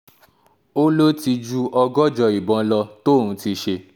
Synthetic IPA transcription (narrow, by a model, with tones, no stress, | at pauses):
o˦lo˦ti˧d͡ʒu˦ʔɔ˧ɡɔ˦d͡ʒɔ˧i˨bɔ̃˨˧˦lɔ˧to˦˨ɾ̃ũ˨˧˦ti˧ʃe˧